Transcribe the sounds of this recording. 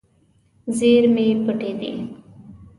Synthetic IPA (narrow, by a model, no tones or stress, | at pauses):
zeːɾmẽːpəɖeːd̪ḛː